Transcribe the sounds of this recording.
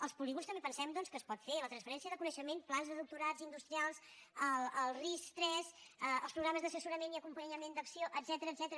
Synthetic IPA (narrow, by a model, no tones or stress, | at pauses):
əlˠspuliɣunst̪əmbepənsɛmd̪ɔnskəspɔt̪felət̪ɾənsfəɾɛnsiəðəkunəʃəmenplanzðəðuk̚t̪uɾazind̪ust̪ɾialˠsələlˠrist̪ɾɛsəlˠspɾuɣɾaməzðəsəsuɾəmeniəkumpəɲəmend̪əksioʔəd̪z̥ɛt̪əɾəːd̪z̥ɛt̪əɾə